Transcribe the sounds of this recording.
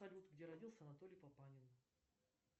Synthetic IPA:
ɐlʲut̪ɡdʲe̞ɾɐdʲilˠsʲəɐnɐt̪o̞lʲɪjpɐpanʲɪn

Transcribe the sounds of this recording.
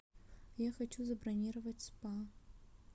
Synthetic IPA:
jaxɐt͡ɕuzɐbrɐnʲiɾəvɐtʲspa

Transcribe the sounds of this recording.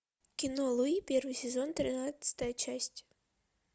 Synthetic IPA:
kʲinɔlˠuipʲɛrʋɨsʲɛzɔnt̪ɾɨnat̪sʲɐ̥t̪ɐjɐt͡ʃasʲt͡sʲ

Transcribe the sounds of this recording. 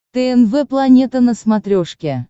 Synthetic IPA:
t̪eenveplˠanʲet̪ənəsmɑt̪ɾʲoʂkʲe

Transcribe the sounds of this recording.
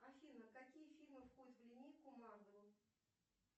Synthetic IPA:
ɐfʲinəkakʲijəfʲilʲmɨfxot̪vlʲɪnʲikʊmand̪ɾʊ

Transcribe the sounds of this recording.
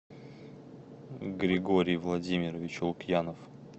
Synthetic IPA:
ɡɾʲɪɡoɾʲɪjvlˠɐdʲimʲɪɾəvʲɪt͡ɕʊlˠʊkjanəf

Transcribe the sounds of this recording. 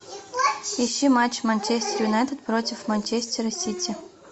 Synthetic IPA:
ɪɕːimat͡ɕmɐnʲt͡ɕesʲtʲɪɾʲunɐɛt̪ət̪̚pɾotʲɪfmɐnʲt͡ɕesʲtʲɪɾɐsʲitʲɪ

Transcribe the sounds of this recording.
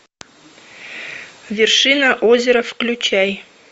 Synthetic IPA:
vʲerʂɨnaʔozʲeɾəfklʲʉt͡ɕæj

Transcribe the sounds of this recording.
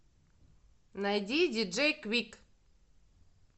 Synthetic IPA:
najd̪ʲidʲid͡ʒejkwik

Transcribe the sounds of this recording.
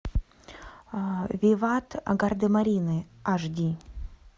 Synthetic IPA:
vʲivat̪a̰ɡard̪ɨmaɾʲinɨaʐdʲi

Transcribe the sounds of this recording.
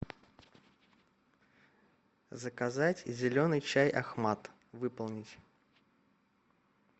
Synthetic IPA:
zəkɐzatʲzʲɪlʲo̞nɨjt͡ɕajʔɐ̰xmat̪ | vɨpəlˠnʲɪtʲ

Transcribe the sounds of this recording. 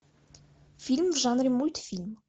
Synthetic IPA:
filmvʒɑnɾimult̪film

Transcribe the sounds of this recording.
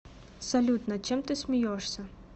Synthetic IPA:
sɐlʲut̪nɐt͡ʃɛmt̪ɪsʲmʲijɔʂsʲɐ

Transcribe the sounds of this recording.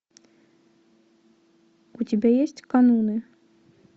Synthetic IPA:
ut͡sʲibʲejesʲt͡sʲkanunɨ

